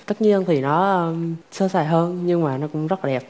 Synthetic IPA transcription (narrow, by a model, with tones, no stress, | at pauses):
t̪ə˦˥t̚ɲi˧ənt̪ʰi˨˩nɔ˨˦˧səː˧saː˧˩jɦəː˧nɲɨ˧ŋmaː˨˩nɔ˨˦kʊ̰˧˥ŋ͡mzə˦˥t̚ːɗɛ˨˩p̚